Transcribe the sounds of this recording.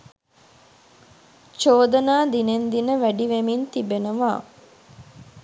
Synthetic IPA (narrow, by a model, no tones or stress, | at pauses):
t͡ʃoːd̪ɐnaːd̪inend̪inəʋæɖiʋemint̪ibenuʋaː